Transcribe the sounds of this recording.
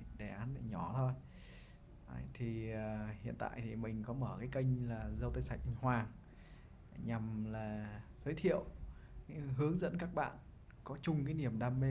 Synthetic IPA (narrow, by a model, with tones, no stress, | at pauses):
ɗe˨˩ʔaː˨˦nɗe˧˩ɲɔ˧˩t̪ʰo˧j | a˧˨˩t̪ʰi˨˩əː˨˩hḭ˧ənt̪a̰ː˧˨jt̪ʰi˨˩mï˨˩ŋ̟kɔ˨˦məː˧˩kaː˨˦jkə˧jŋ̟laː˨˩zə˧wt̪ə˧jsa˧˩jk̚ŋhwaː˨˩ŋ | ɲa˨˩mlaː˨˩zəː˨˦jt̪ʰḭ˧˨əw | ɦɨ˨˦əŋzə̰˧˥nkaː˦˥k̚ɓa̰ː˧˨n | kɔ˨˦t͡ɕʊ˨˩ŋ͡mkaː˨˦jni˧˩əmɗaː˧mːe˧